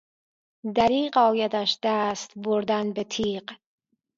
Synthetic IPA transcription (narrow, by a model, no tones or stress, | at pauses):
d̪æɾiːqɒːjad̪æʃd̪æːst̪boɾd̪ænbet̪ʰiːq